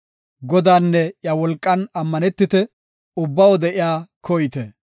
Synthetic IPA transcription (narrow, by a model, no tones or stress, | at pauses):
ɡɔd̪aːnːɛjɐwɔlkʼːɐnɐmːɐnɛt̪ːɪt̪ɛ | ʊbːɐwɔd̪ɛʔɪjaːkʰɔjt̪ɛ